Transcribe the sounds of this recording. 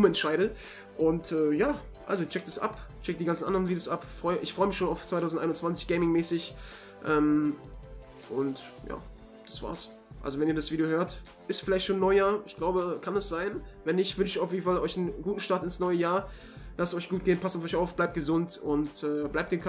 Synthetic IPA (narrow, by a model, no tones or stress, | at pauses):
ʊmɛntʃaɪɾə | ʔʊntʰɛːjaː | ʔa̰lzot͡ʃɛk̚d̥asʔa̰pt͡ʃɛk̚d̥iːɡant͡sn̩ʔa̰ndəʁənviːdejoːsʔapfʁ̥ɔʏəʔɪçfʁ̥ɔʏəmɪçʃoːnaʊft͡sv̥aɪtʰaʊn̩tʔaɪnʊnt͡sv̥ant͡sɪ̥çɡ̥eɪmɪŋmɛːsɪç | ʔɛːm | ʔʊntja̰ː | d̥asv̥a̰ːɐs | ʔalzovɛniːɐdasv̥iːdjoɦøːɐt | ʔɪstfɪlaɪçtʃoːnːɔʏəjaːɐɪçɡ̥laʊbəkʰanasz̥aɪnvɛnɪçv̥ʏnʃəaʊfjeːdn̩falɔʏçn̩ɡuːtn̩ʃtaɐtɪnsnɔʏəjaːɐ | lastɔʏçɡ̥uːt̚ɡ̥eːnpʰastʊfɔʏçaʊfb̥laɪp̚t̚ɡ̥əzʊntʊntɛːblaɪp̚td̥eːnkʰ